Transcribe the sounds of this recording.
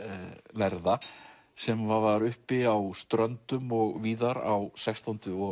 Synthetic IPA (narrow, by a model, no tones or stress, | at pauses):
lɛɾða | sɛmvavaɾʏhpɪawst̪ɾœnt̪ʏmɔɣviːðaɾa̰wsɛkst̪ant̪ʏɔ